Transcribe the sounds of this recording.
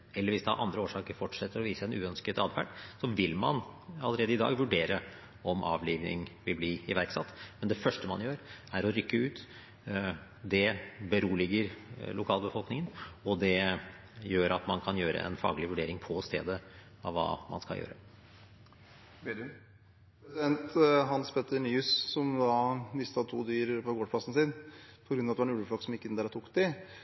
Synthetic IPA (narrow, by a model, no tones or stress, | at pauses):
ɛlːəɾʋɪsd̪ɛɑ̰ʔɑ̰nd̪ɾəoːʂɑːkəɾfɔʈʂɛt̪ːəɾɔʋiːsəɛnʉːœnskət̪ɑːd̪fæ̰ʈsɔʋɪlmɑ̰nɑlːəɾeːd̪əɪd̪ɑ̰ːɡʋʉɖeːɾə | ɔmʔɑ̰ːʋliːʋnɪ̰ŋʋɪlbliɪʋæɾksɑt̪ːmɛnd̪ɛfœʂʈəmɑ̰njøːɾæɾɔɾʏkːəʉːt̪ | d̪ɛbəɾuːlɪɡəɾlʊkʰɑːlˠbəfɔlˠknɪŋənɔd̪ɛ | jøːɾɑt̪mɑnkʰɑnjøːɾə̰ʔɛ̰nfɑ̰ːɡlɪʋʉɖeːɾɪŋpʰɔst̪ḛːd̪ə | ɑʋʋːɑ̰ːmɑ̰nskɑ̰jø̰ːɾə | bed̪ | ɾsd̪ɛnt̪ɦɑnspʰɛt̪ːəɳiːʉssɔmd̪ɑmɪst̪ɑt̪ʰuːd̪yːɾpʰɔɡoːɖpʰlɑsn̩sɪːnpʰɔɡɾʉnːɑt̪ʋɑɾɛnʉləflɔlksɔmɪkːəɪnd̪æɾɑt̪ʰuːkd̪ɪ